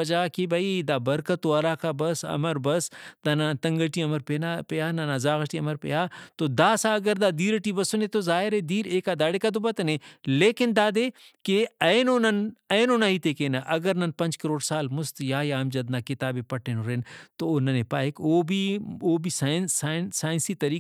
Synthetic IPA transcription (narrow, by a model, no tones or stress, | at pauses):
ɐd͡ʒaːkibʱɐid̪aːbɐɾkɐt̪ːoɐɾaːkabɐsɐ̰mɐɾbɐsd̪aːnat̪ɐŋɡəʈiɐmɐɾpenapejaːnanazaːɣɐʈiɐmɐɾpḛjaːt̪od̪aːsaɐɡɐɾd̪aːd̪iːɾɐʈibɐsonet̪ozaːɪɾed̪iːɾeːkaːd̪aːɽeːkad̪ubɐt̪ɐneleːkɪnd̪aːd̪eːkeɐjnoːnɐnɐnoːnaɦit̪eːkeːnaʔɐɡəɾnɐnpɐnt͡ʃkɐɾoːɽsaːlmʊst̪jaːjaːmd͡ʒɐd̪naːkɪt̪aːbepɐʈʰenoɾeːnt̪ooːnɐnepaːekoːbʱioːbʱisansansaːjnsit̪ɐɾiː